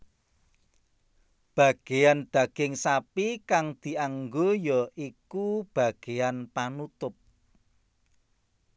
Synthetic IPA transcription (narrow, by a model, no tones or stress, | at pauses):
b̥ä̤ɡ̥ejand̪̥ä̤ɡ̥ɪŋsapikaŋd̪̥i̤aŋɡojɔʔikub̥ä̤ɡ̥e̤janpanut̪ʊp̚